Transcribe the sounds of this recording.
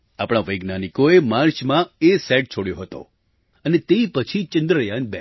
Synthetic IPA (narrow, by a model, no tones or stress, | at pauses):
apɽ̃aʋəjɡnanikoemaɾt͡ʃmãesɛʈ̚t͡ʃʰoɽjoɦət̪o̰ | ənet̪eipət͡ʃʰit͡ʃənd̪ɾəjãnbɛ